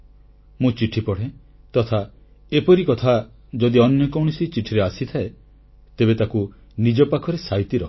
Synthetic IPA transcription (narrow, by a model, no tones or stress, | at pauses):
mũt͡ʃiʈʰipɔɽ̤e | t̪ɔt̪ʰa | epɔɾikɔt̪ʰa | d͡ʒɔd̪iɔnjɔkɔwɽ̃isit͡ʃiʈʰiɾeasit̪ʰae | t̪ebet̪aku | nid͡ʒɔpakʰɔɾesajt̪iɾɔ